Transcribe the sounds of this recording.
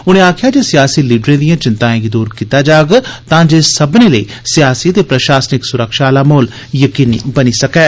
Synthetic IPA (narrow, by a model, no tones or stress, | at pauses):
ʊñẽːaːkʰɪjaːd͡ʒeːsɪjaːsiːliːɖɾẽːd̪ɪjãːt͡ʃɪnt̪ãːɡid̪uːɾkiːt̪aːd͡ʒaːɡt̪ãːd͡ʒeːsəbneːləḭː | sɪjaːsiːət̪eːpɾəʃaːsnɪksʊɾəkʃaːlaːmoːl | jəkiːniːbəniːsəkɛː